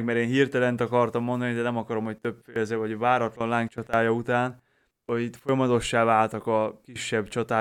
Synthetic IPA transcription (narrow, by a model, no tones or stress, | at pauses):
ɡmɛɾeːnɦirt̪ɛlɛnt̪ɒkɒrt̪ɒmːo̞nd̪ɒnid̪ɛnɛmɒkɒɾo̞moct̪ø̞pfeːlzɛvɒɟvaːɾɒt̪lɒnlaːŋk̚t͡ʃɒt̪aːjɒut̪aːn | oit̪fo̞jɒmɒt̪o̞ʃːaːvaːlt̪ɒkɒkiʃːɛbt͡ʃɒt̪aː